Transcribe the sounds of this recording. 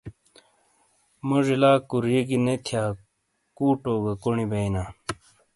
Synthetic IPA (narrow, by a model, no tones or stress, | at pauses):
moʐilaːkuɾiɡinet̪ʰjaː | kuːʈoːɡɐkoɳibɐina